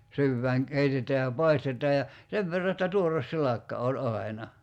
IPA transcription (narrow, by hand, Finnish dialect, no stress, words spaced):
syːʋːæːŋ keitetˑæː jɑ pɑistetˑɑː jɑ seʋ ʋerːɑ etːæ tuores silɑkːɑ olʲ ɑi̞nɑ